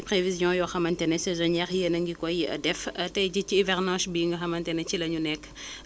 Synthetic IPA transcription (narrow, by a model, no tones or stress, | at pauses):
pɾevizjɔ̃jɔxɐmɐntɛnɛsɛzɔɲɛχjənɐŋɡikɔjiʔɐ̰dɛfɐtɛɟit͡ʃiːvɛʁnɑ̃ːʃbiːŋɡɐxɐmɐntɛnɛt͡ʃilɐɲunɛkː